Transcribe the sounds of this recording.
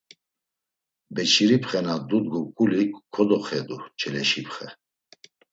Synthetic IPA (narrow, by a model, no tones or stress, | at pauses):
bɛt͡ʃʰiɾipχɛnad̪ud̪̚ɡukʼulikkʰːɔd̪ɔχɛd̪ut͡ʃʰʼɛlɛʃipχɛ